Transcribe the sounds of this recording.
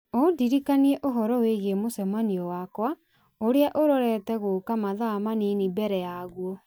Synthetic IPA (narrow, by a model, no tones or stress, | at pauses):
odiɾikaniɛʔoɦɔɾɔweɣemosɛmaniɔwakwa | oɾeaʔoɾɔɾɛtɛɣokamaðamaninibɛɾɛjaɣuɔ